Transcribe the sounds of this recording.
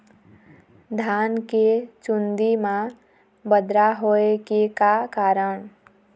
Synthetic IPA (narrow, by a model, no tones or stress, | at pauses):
d̪ʱaːnket͡ʃund̪imã | bəd̪ɾaɦoekekakaːɾəɽ̃